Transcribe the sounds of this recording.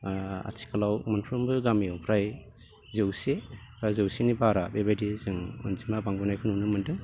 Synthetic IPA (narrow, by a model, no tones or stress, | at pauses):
a̰tʰi̥kalawmanpʰɾɔmbɯɡamiɔwpʰɾaj | zewsepʰɾajzɯwsenibaɾabebajdizɯŋɔ̰nzimabaŋbɔnajkʰɯnunɯmɯndɯŋ